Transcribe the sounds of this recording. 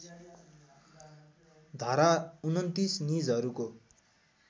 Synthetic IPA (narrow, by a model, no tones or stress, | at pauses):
d̪ʱaɾaunʌnt̪isnid͡zʌɾuko